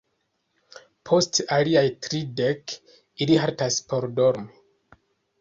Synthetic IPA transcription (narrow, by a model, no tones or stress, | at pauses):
pʰo̞staliajtɾidek | iliɦaɾtaspo̞ɾdo̞ɾmi